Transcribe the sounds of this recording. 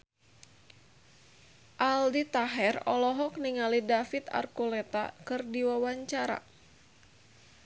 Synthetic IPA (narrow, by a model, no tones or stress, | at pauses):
ʔaldit̪aɦɛrɔlɔɦɔk̚niŋalidafit̪a̰rkulɛt̪a̰kɨrdiwawaɲt͡ʃaɾa̰